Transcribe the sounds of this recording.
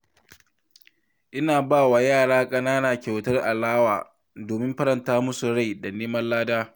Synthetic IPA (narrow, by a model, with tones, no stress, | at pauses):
ʔɪ˦naː˨baː˦˨wa˨jaː˦˨ɽaː˦kʼɐ˦naː˦naː˨kʲa˨wtɐ˦rʔa˨laː˦waː˨ | doː˨mɪ˦mɸɐ˦ɾɐ˨ntaː˦mʊ˦su˨ɽa˦˨da˨neː˦mɐ˦llaː˦daː˦